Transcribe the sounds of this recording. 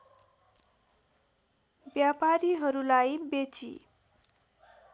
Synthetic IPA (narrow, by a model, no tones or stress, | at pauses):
bjapaɾiɦʌɾulajbet͡sḭ